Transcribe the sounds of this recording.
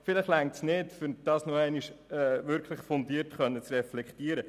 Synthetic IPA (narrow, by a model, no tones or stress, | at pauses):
fɪləχlæŋtsnɪtfʏd̥ɑːsnuɛɪniʃɛːʋʏɾkʰχləχfondiəɾtχœnːət͡srɛflɛkχtiːəɾə